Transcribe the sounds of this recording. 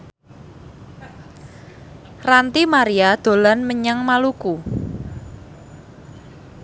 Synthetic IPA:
rant̪imaɾiad̪̥o̤lanməɲaŋmaluku

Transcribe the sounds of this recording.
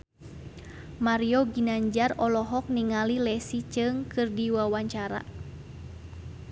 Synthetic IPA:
maɾiɔɡinaɲd͡ʒarɔlɔɦɔk̚niŋalilɛsit͡ʃɨŋkɨrdiwawaɲt͡ʃaɾa̰

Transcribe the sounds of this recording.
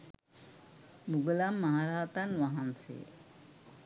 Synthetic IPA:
buɡulamːaɦaɾaːt̪anʋaɦansḛ

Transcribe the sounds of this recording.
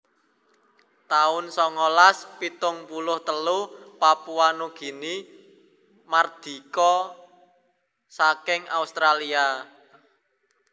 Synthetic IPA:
t̪aʊnsɔŋɔlaspit̪ʊŋpulʊht̪əlupapuanuɡ̥i̤ni | mard̪̥i̤kɔ | sakɪŋa̰ust̪ɾalia

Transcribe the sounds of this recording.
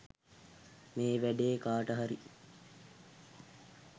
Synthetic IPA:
meːʋæɖeːkaːʈəɦaɾi

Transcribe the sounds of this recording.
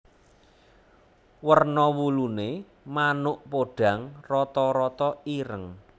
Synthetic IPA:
wərnɔwulune | manʊʔpoɖ̥ä̤ŋrɔt̪ɔɾɔt̪ɔiɾəŋ

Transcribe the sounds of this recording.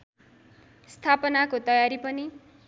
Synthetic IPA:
st̪ʰapʌnakot̪ʌjaɾipʌni

